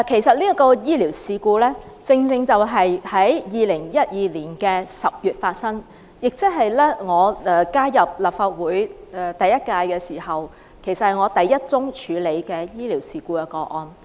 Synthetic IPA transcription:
kʰe˨˩jsɐ˨t̚liː˥ɐ˥kɔː˧jiː˥liː˨˩wsiː˧kuː˧lɛː˥t͡sɪ˧ŋt͡sɪ˧ŋt͡sɐ˨wɦɐ˨jhɐ˨˥jjiː˨lɪ˨˩ŋjɐ˥t̚jiː˨liː˨˩nkɛː˧sɐ˨p̚jyː˨t̚faː˧t̚sɐ˥ŋ | jɪ˨k̚t͡sɪ˥k̚ɦɐ˨jlɛː˥ŋɔː˨˧ɛː˧kaː˥jɐ˨p̚laː˨p̚faː˧t̚wuː˨˥jt̪ɐ˨jɐ˥t̚kaː˧jkɛː˧siː˨˩hɐ˨˩w | kʰe˨˩sɐ˨thɐ˨˩jŋɔː˨˧t̪ɐ˨jːɐ˥t̚t͡sʊ˥ŋt͡ʃʰyː˨˧˥le˨˧jkɛː˧jiː˥liː˨˩wsiː˨˧kuː˧kɛ˧kɔː˧ʔɔː˧n

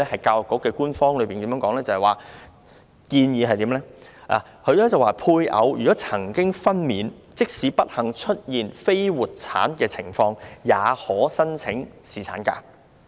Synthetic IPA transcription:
ɛ˥hɐ˨˩jkaː˧wjʊ˨˩kːɔː˨˥kːɛː˧kuː˥nfɔː˥ŋlɵ˨˧piː˨nt̪i˨˦mjœː˨˧˥ŋkɔː˨˥ŋlɛː˥t͡sɐ˨hjwaː˨˩ | kiː˧njiː˨˧ɦɐ˨jt̪iː˨˥mlɛː˥ʔa̰˨ | kʰɵ˨˧ɥlɛː˥t͡sɐ˨waː˨pʰuː˧jʔɐ̰˨˧wjy˨˩kɔ˨˥t͡sʰɐ˨˩ŋkɪ˥ŋfɐ˥nmiː˨˧n | t͡sɪ˥k̚siː˨˧˥pɐ˥t̚hɐ˨˩ŋt͡ʃʰɵ˥t̚jiː˨nfe˥jwuː˨t̚t͡sʰa̰ː˨˥nkɛː˧t͡sʰɪ˨˩ŋfɔː˧ŋjaː˨˧hɔː˨˥sɐ˥nt͡sʰɪ˨˥ŋsiː˨˩t͡sʰa̰ː˨˥nka̰ː˧˥

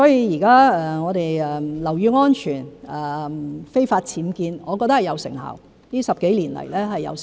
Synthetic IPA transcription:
sɔː˨˥jiː˧jiː˨˩kaː˥ɛ˨ŋɔː˨˧d̪e˨jɛ˨˩lɐ˨˩wjyː˨˧ŋɔː˥nt͡ʃʰyː˨˩nɛ˨˩fe˥jfaː˧t̚t͡sʰiː˨˥mkiː˧nŋɔː˨˧kɔː˧k̚t̪ɐ˥hjɐ˨˧wsɪ̰˨˩ŋha̰ː˨w | niː˥sɐ˨p̚ke˨˥jliː˨˩nlɐ̰˨˩jlɛː˥ɦɐ˨jːɐ̰˨˧w

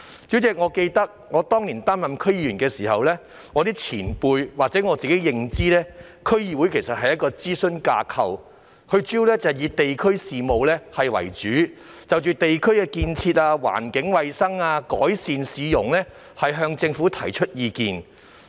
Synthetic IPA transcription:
t͡ʃy˨˥t͡sɛː˨k̚ŋɔː˨˧ke˧jt̪ɐ˥k̚ŋɔː˨˧t̪ɔː˥ŋliː˨˩nt̪aː˥mjɐ˨mkʰɵ˥ɥjiː˨˧ɥyː˨˩nkɛː˧siː˨˩hɐ˨wlɛː˥ | ŋɔ˨˧t̪iː˥t͡sʰiː˨˩npuː˧jwaː˨k̚t͡sɛ˨˥ŋɔː˨˧t͡siː˨˩ke˨˥jɪ˨˧ŋt͡siː˥lɛː˥ | kʰɵ˥ɥjiː˧wu˨˥jkʰe˨˩sɐ˨t̚hɐ˨jɐ˥t̚kɔː˧t͡siː˥sɵ˥nkaː˧kʰɐ̰˨˧w | hɵ˧ɥt͡ʃiː˥wlɛː˥t͡sɐ˨jiː˨˧t̪e˨jkʰɵ˥ɥsiː˨mo˨˧wlɛː˥hɐ˨jwɐ̰˨˩jt͡ʃyː˨˥ | t͡sɐ˨wt͡ʃyː˨t̪e˨jkʰɵ˥ɥkɛː˧kiː˧nt͡sʰiː˧t̚aː˧wa̰ː˨˩nkɪ˨˥ŋwɐ˨jsɐ˥ŋaː˧kɔ̰ː˨˥jsiː˨nsiː˨˧jʊ˨˩ŋlɛː˥ | hɐ˨jɦœː˧ŋt͡sɪ˧ŋfuː˨˥t̪ʰɐ˨˩jt͡ʃʰɵ˥t̚jiː˧kiː˨˧n

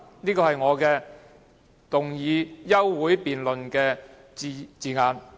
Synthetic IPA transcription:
niː˥kɔː˧hɐ˨jŋɔː˨˧kɛː˧ | t̪ʊ˨˩ŋjiː˨˧jɐ˥wːuː˨˥jpiː˨nlɵ˨nkɛː˧˨ | t͡siː˨˧ŋaː˨˧n

